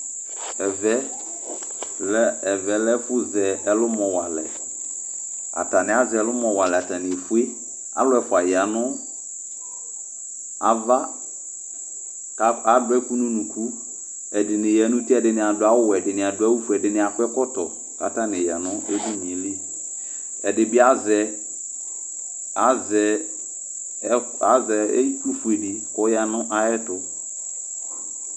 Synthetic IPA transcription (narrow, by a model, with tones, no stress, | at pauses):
ɛ˨vɛ˦ | lɛ˦˨vɛ˨lɛ˦fʊ˦zɛ˨ɛ˨lʊ˦mɔ̃˨wa˨lɛ̰˨ | a̰˨ta˨nɪ̃˨a˦zɛ˨ɛ˨lʊ˦mɔ̃˨wa˨lɛ˨a˨ta˨nɪ˨fu˦e˦ | a̰˦lʊ˦ɛ˨fʊ˨a˨ja˨nʊ˦ | a˨va˦ | ka˨dʊ˦ɛ˦ku˦nʊ̃˦nũ˨kʰu˦ | ɛ˨dɪ˨nɪ̃˨jɛ˨˦nʊ̃˦ti˦ɛ˨dɪ˨nɪ̃˨a˨dʊ˨a˦wʊ˦wɛ˨dɪ˨nɪ̃˨a˨dʊ˨˦a˦wu˦fu˨ɛ˨dɪ˨nɪ̃˨a˨kʊ˦ɛ˦kɔ˦tɔ̰˨ | ka̰˨ta˦nɪ̃˨ja˨nʊ̃˦e˦du˦mĩ˨˦li˦ | ɛ˨dɪ˨bɪ˦a˦zɛ˨ | a˨˦zɛ˨˦ | a˨˦zɛ̰˨˦tu˦fu˨e˨di˨kɔ˦ja˨nʊ̃˦ʔa˦ɛ˦tʊ˨